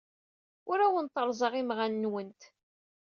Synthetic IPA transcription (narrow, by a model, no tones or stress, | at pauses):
ʊɾæwənt̪ːəɾˤzˤɑʁimʁanːwənt̪